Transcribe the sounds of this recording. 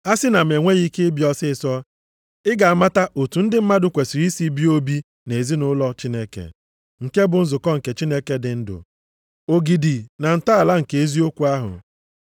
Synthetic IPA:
a˦sɪ˦na˨m˨e˨ŋʷe˦ɣi˦ke˦bjɔ˦sɪ˦˨sɔ˦ | ɪ˦ɡa˨a˨ma˦ta˦ʔo˨tu˨n̩˦dɪ˦m̩˦ma˦dʊ˨kʷe˨si˨ɾi˦si˦bi˦o˦bi˦ | ne˨zi˦nʊ˦lɔ˦t͡ʃi˦ne˦kḛ˨ | ŋ̩˨ke˦bʊ˨n̩˦zʊ˨kɔ˦ŋ̩˨ke˨t͡ʃi˦ne˦ke˦dɪ˨n̩˦dʊ̰˨ | o˨ɡi˨di˨na˨n̩˨ta˦a˨la˦ŋ̩˨ke˨e˦zi˦o˦kʷu˦a˦ɦʊ̰˨

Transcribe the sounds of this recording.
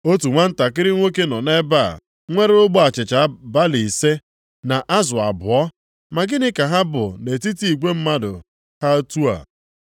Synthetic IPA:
o˦tu˨ŋʷa˦n̩˦ta˨kɪ˦ɾɪ˦ŋʷe˦ke˦nɔ˨ne˦ba̰˦˨ | ŋʷe˦ɾʊ˦ɡ͡bɔ˦a˨t͡ʃɪ˨t͡ʃa˨˦ba˦li˨se˦ | na˨ʔa˦zʊ˨a̰˨bʊ˨ɔ˦ | ma˨ɡɪ˦nɪ˦ka˨ɦa˦bʊ̰˨ne˨ti˦ti˨i˨ɡʷe˦m̩˦ma˦dʊ̰˨ | ha˦tu˦a̰˨

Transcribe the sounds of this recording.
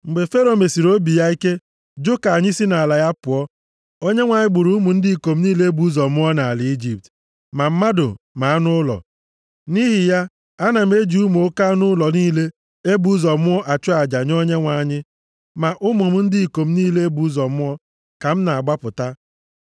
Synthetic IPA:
ŋ͡m̩˨ɡ͡be˨fe˦ɾo˨me˨si˨ɾo˦bi˨ja˦i˦ke˦ | d͡ʒo˦ka˨a˨ɲɪ˦si˦na˨a˨la˨ja˦pʊ˨ɔ˦ | o˦ɲe˦ŋʷa˨ɲɪ˦ɡ͡bʊ˨ɾu˨˦mʊ˨n̩˦dɪ˦i˨ko˨m̩˦niː˦le˦e˦bu˦zɔ˨mʊ˦ɔ˦na˨a˨lɪ˨i˦d͡ʒi˨p̚t | ma˨m̩˦ma˦dʊ̰˨ | ma˨a˦nʊ˦lɔ̰˨ | ni˦ɦɪ˨ja˦ | a˦na˨m̩e˦d͡ʒi˨u˦m˨o˦ka˦nʊ˦lɔ˨niː˦le˦ | e˦bu˦zɔ˨mʊ˦ɔ˦ʔa˨t͡ʃʊ˦a˨d͡ʒa˨ɲo˦ɲe˦ŋʷa˨ɲɪ˦ | ma˨ʔʊ˦mʊ˨m̩˦n̩˦dɪ˦i˨ko˨m̩˦niː˦le˦e˦bu˦zɔ˨mʊ˦ɔ˦ | ka˨m̩˦na˨a˨ɡ͡ba˦pʊ˨ta˦

